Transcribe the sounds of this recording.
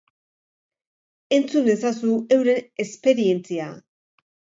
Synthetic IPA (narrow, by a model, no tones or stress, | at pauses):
e̞nt͡sunesasue̞wɾe̞ne̞spe̞ɾie̞nt͡sia